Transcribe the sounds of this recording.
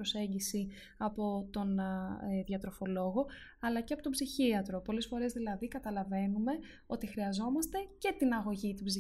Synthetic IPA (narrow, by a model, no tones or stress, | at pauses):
ɾose̞ɲɟisi | ɐpo̞t̪o̞nðʝɐt̪ɾo̞fo̞lo̞ɣo̞ɐlɐceɐpo̞t̪obziçiɐt̪ɾo̞po̞lesfo̞ɾe̞zðilɐðikɐt̪ɐlɐve̞nume̞ | o̞t̪ixɾiɐzo̞mɐst̪e̞ce̞t̪inɐɣo̞ʝit̪ibzi